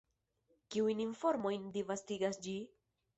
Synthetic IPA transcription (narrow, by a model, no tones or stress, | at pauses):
kiujninfo̞ɾmo̞jndivastiɡasd͡ʒi